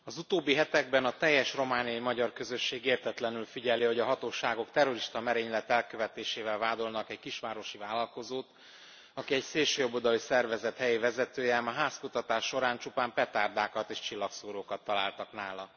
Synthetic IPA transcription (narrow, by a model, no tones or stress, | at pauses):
ɒzut̪oːbːiɦɛt̪ɛɡbɛnɒt̪ɛjːɛʃro̞maːnijɒjimɒɟɒrkøzø̞ʃːeːɡeːrt̪ɛt̪lɛnylfiɟɛliho̞ɟɒɦɒt̪oːʃaːɡo̞kt̪ɛro̞ɾiʃt̪ɒmɛɾeːɲlɛt̪ːɛlkøvɛt̪eːʃeːvɛlvaːd̪o̞lnɒkɛɟkiʃʋaːɾo̞ʃivaːlːɒlko̞zoːt̪ | ɒkiɛɟseːlʃøːjobod̪ɒlisɛrvɛzɛt̪hɛjivɛzɛt̪øːjɛmaɦaːskut̪ɒt̪aːʃːo̞ɾaːnt͡ʃupaːmpɛt̪aːrd̪aːkɒt̪eːʃt͡ʃilːɒksoːɾoːkɒt̪ːɒla̰ːlt̪ɒknaːlɒ